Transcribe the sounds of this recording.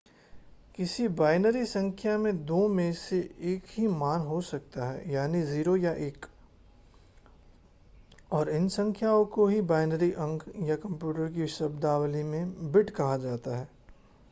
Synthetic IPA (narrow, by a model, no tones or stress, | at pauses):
kɪsibaːɪnəɾisɐ̃ŋkʰjamẽd̪oːmẽseeːkɦimaːnɦosɐk̚t̪aɦɛ̰ːjaːniziːɾojaʔeːk | ɔːɾɪnsɐ̃ŋkʰjaõkoɦibaːɪnəɾiʔɐ̃ŋkʰjakɐ̃mpjuːʈəɾk̬iʃɐbd̪aːwlimẽbɪʈkɐɦad͡ʒaːt̪aɦɛː